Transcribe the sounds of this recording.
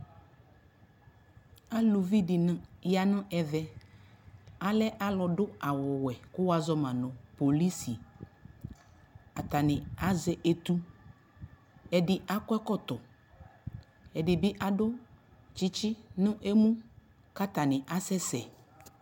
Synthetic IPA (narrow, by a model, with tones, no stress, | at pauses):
a˦lu˨vi˦dɪ˨n˦ja˨nʊ̃˦ʔɛ˨vɛ˨ | a˨lɛ˦ʔa˦lɔ˨dʊ˦a˨wɔ˨wɛ˨kʊ˦wa˨zɔ˦mã˨nʊ̃˨po˨li˦si˨ | a˨t̪a˨nɪ̃˨a˨zɛ˨ʔe˨t̪u˦ | ɛ˨dɪ˨ʔa˦kʷɛ˦kɔ˦t̪ɔ˨ | ɛ˨dɪ˨bɪ˦ʔa˨dʊ˦ | t͡ʃi˦t͡ʃɪ˦nʊ̃˦ʔe˦mũ˦ | ka˦t̪a˨nɪ̃˨ʔa˦sɛ˦sɛ˨